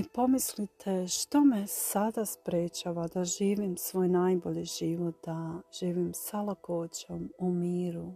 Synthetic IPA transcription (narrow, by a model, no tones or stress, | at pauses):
ipo̞mislit̪ʰeʃt̪o̞mesad̪aspɾeːt͡ʃaːʋad̪aʒiːʋimsʋo̞ːjnajbo̞ʎiʒ̥iʋot̪̚d̪aʒ̥iːʋimsalˠakoːt͡ɕomumiːɾu